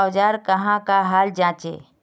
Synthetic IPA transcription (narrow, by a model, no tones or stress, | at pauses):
wd͡ʒaɾkəɦãkaɦaːld͡ʒãːt͡ʃḛ